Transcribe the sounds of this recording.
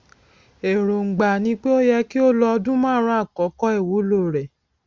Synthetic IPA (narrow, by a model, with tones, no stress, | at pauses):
e˨ɾo˨ŋ͡m̩˨ɡ͡ba˨nĩ˧˦k͡pe˦o˦jɛ˧ki˦o˦lɔ˧dũ˦mãː˦˨˦ɾ̃ã˦a˦˨kɔ˨˦kɔ˦e˦˨wu˨˦lo˦˨ɾɛ˨